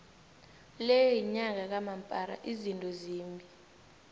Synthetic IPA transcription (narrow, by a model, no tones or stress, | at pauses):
lejjiɲak̬ak̬amampʼaɾa̰ʔizintʼɔziːmbʱi